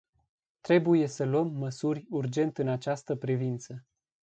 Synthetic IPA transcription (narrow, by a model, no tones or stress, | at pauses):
t̪ɾe̞buje̞səloəmːəsurʲurd͡ʒe̞nt̪ɨnat͡ʃast̪əpɾivint̪sə